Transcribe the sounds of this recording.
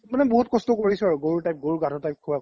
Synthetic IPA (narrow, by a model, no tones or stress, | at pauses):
manɛboɦutkɔstɔkoɹisɛaɹuɡoɹutajp̚ɡoɹuɡadʰʱɔtajp̚kʰuba